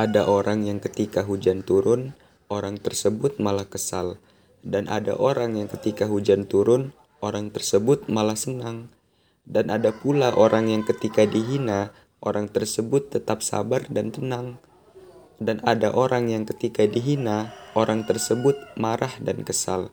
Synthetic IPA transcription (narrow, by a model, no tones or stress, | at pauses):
ʔadaʔoɾaŋjaŋkət̪ikaɦud͡ʒant̪uɾʊn | oɾaŋt̪ərsəbʊt̪̚malahkəsal | danʔa̰da̰ʔoɾaŋjaŋkət̪ikaɦud͡ʒant̪uɾʊn | oɾaŋt̪ərsəbʊt̪̚malahsənaŋ | danʔadapulaʔoɾaŋjaŋkət̪ikadiɦina | ʔoɾaŋt̪ərsəbʊt̪ːət̪ap̚sa̰bardant̪ənaŋ | danadaʔoɾaŋjaŋkət̪ikadiɦinaoɾaŋt̪ərsəbʊt̪̚maɾahdankəsal